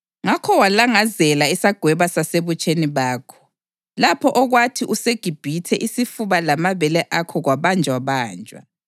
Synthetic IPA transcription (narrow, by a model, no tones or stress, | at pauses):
ŋakʰɔwalaŋazɛlaisaɡ̥ʱwɛβasaseβut͡ʃʼeniβaːkʰɔ̥ | lapʰɔʔɔɣwatʰiʔuseɡ̥ʱib̥ʱitʰɛʔisifuβalamaβɛlɛʔakʰɔɣwaβand͡ʒʱwaβaːnd͡ʒʱwa̰